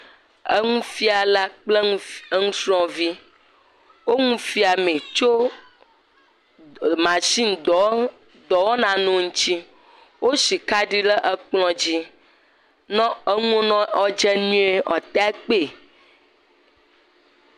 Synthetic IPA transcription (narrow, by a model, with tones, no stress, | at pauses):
ə̰˦ŋũ˦fi˦a˨la˦k͡ple˦ŋũ˦sɾɔ̃˦vi˦ | wo˦ŋũ˦fi˦a˨mẽ˨t͡ʃo˦ | mã˨ʃi˦n˨d̪ɔ˨ | d̪ɔ˨wɔ˦nã˨nũ˦ŋ̩̃˦t͡ɕi˦ | wo˦si˨ka˦ɖi˦lə˦ʔə˦k͡plɔ̃˦d͡ʑi˦ | nɔ̃˦ə˦ŋũ˦o˦nɔ̃˦ɔ˦d͡ʒɛ˦nũ˦e˦˨ɔ̰˨t̪a˦e˦k͡pe˨